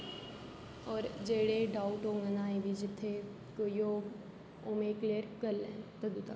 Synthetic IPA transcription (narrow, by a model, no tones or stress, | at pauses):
ɔːɾd͡ʒeːɽeɖaːʊʈoːŋənaːẽbʱid͡ʒɪt̪ʰːe | kojoːɡ | omekleːɾkəllẽt̪ɐd̪ut̪a̰